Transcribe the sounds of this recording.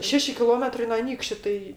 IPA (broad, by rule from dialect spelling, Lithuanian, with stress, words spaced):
ˈʃʲæːʃʲɪ kʲɪˈlˠoːmʲɛtrɐɪ noː ˈɑːnʲiːkʃʲt͡ʃʲʊ ˈtɐɪ